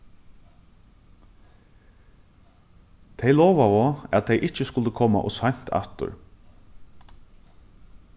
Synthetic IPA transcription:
t̪ʰɛjlɔːʋavoæt̪̚t̪ʰɛjʔɪt͡ʃəskʊlt̪əkʰɔːma̰ʔɔ̰saɲ̥t̪ʰa̰ft̪ʊ̰ɹ

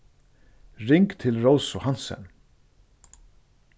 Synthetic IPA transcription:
rɪŋkt̪ʰɪlɾowsʊhansɛ̰n

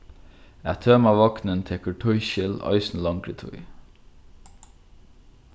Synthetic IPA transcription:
æ̰ːt̪ʰøːmɑːʋɑknənt̪ʰeːkʰɔʈʰɔʏçɪlɑ̰ɪsn̩lɑŋkʰɾət̪ʰʊ̰ɪ

